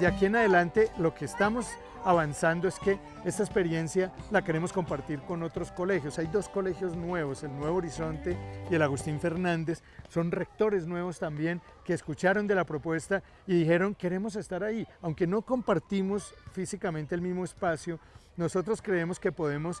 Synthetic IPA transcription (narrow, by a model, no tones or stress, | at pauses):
akie̞naðelant̪e̞lo̞ke̞ːst̪amo̞s | aβansand̪oeske̞ | e̞st̪aespe̞ɾje̞nsjalakeɾe̞mo̞sko̞mpaɾt̪iɾko̞no̞t̪ɾo̞sko̞le̞xjo̞sajd̪o̞sko̞le̞xjo̞znwe̞βo̞se̞lnwe̞βooɾiso̞nt̪e̞ie̞laɣust̪iɱfe̞ɾnãnd̪e̞sː | o̞nre̞k̚t̪o̞ɾe̞znwe̞βo̞st̪ambje̞ŋ | ke̞ːskut͡ʃaɾo̞nd̪e̞lapɾo̞pwe̞st̪a | iðixe̞ɾo̞ŋke̞ɾe̞mo̞s̬e̞st̪aɾaiawŋke̞no̞ko̞mpaɾt̪imo̞sfisikament̪eːlmizmo̞espasjono̞so̞t̪ɾo̞skɾe̞e̞mo̞ske̞po̞ðe̞mo̞s